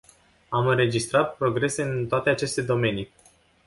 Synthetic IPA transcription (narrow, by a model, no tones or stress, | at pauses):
amɨnɾe̞d͡ʒist̪ɾat̪̚pɾo̞ɡɾe̞se̞ɨnt̪oat̪e̞at͡ʃe̞st̪e̞d̪o̞me̞ni